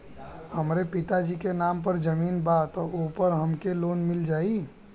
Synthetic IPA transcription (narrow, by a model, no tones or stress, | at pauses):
həmɾepɪt̪ad͡ʒikenaːmpəɾd͡ʒəmiːnbat̪ɔopəɾɦəmkeloːnmɪld͡ʒaːi